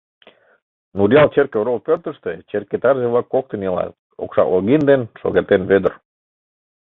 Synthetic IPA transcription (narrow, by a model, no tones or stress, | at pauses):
nuɾjɑlˠt͡ɕerkeoɾolpørt̪ə̆ʃt̪et͡ɕerkːet̪ɑrzeβlɑkːok̚t̪ə̆nelɑ̰t̪ | o̰kʃɑ̰loɣind̪enʃo̰ɣet̪enβød̪ə̆r